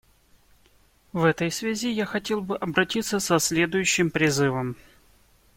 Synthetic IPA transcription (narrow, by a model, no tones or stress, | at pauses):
vɛt̪əjsvʲazʲijaxɐtʲe̞lˠbɨʔɐbɾɐtʲit̪sːəsɐsʲlʲe̞d̪ʊjʉɕːɪmpɾʲɪzɨvəm